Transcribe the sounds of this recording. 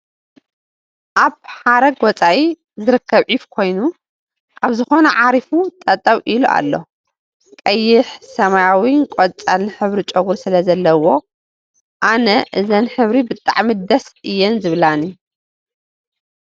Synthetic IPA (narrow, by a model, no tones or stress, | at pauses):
ʔaβħaɾɐɡwɔt͡sʼaʔi | zɨɾɨkʰːɐβʕiβkʰo̞jnu | ʔaβzɨxo̞nɐʕaɾifut̪ʼɐt̪ʼːɐwʔiluʔa̰lːo̞ | kʼɐjːɪħsɐmajawinkʼot͡sʼalnɨħɨβɾit͡ʃʼɐɣuɾsɨlɐzɐlːɐwo̞ | ʔanɐʔɨzɐnħɨβɾibɨt̪ʼa̰ʕmɨd̪ɐsɨjːɛnzɨβlani